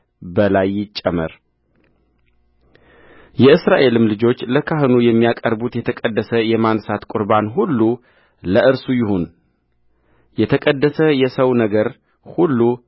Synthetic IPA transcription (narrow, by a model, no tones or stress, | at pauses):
bəlajːɪt͡ʃʼːɛmə̰ɾ | jɛɨsɾaʔe̞lɨmlɨd͡ʒo̞t͡ʃːləkʰaɦɨnujɛmːijakʼəɾbut̪jɛt̪ʰəkʼəd̪ːəsəjɛmansat̪kʼʊɾbanɦulːu | ləʔɨɾsujɪhon | jɛt̪ʰəkʼəd̪ːəsəjɛsəwnəɡəɾ | hulːu